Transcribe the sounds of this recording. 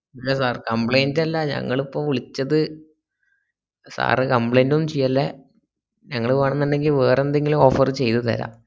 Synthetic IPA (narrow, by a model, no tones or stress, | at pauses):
ɐlːɐsaːrkɐmpɭejndɐlːɐɲɐ̰ŋːɐɭipːɐmʋiɭit͡ɕːɐðɨ | sa̰ːrɨkɐmpɭejnduumt͡ɕejːalːe | ɲɐŋːɐɭuʋaːɳent̪ɐnːe̞ŋɡilʋeːrend̪eŋɡiluo̞ːfɐrt͡ɕe̞jt̪ut̪ɐ̰ɾa̰ː